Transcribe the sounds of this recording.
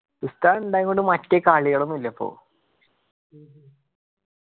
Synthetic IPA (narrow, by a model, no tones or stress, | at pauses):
tust̪aːnuɳɖaːjiŋɡoɳɖɨmɐtːekaːɭiɣɐɭumilːɐɐpːo̰ː